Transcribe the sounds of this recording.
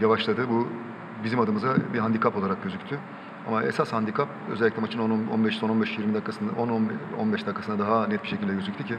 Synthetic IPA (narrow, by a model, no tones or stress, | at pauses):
javaʃlˠad̪ɯbu | bizimad̪ɯmɯzabiɦand̪ikʰapolˠaɾak̚ɟø̞zycʲt̪ʰy | a̰maɛ̰sashand̪ikʰapø̰zɛlʲːiclʲɛmat͡ʃʰɯnononbɛʃsobɛʃjiɾmid̪akːasɯnonno̰nbɛʃd̪akʰːasɯnd̪ad̪aɦanɛt̪̚biʃecʰilʲd̪ɛjøzyc̚t̪ʰycʰɪ